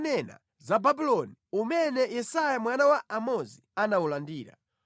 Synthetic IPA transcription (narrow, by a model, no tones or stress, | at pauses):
nɛna̰ | zababilɔniumɛnɛjɛsajamwanawaamɔzianaulandiːɾa̰